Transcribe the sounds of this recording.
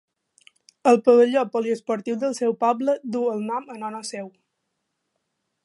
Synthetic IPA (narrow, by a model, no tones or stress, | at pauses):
əlˠpəβəʎopɔliəspɔɾt̪iwðəlˠsɛwpɔbləd̪uəlˠnɔmənɔnəsew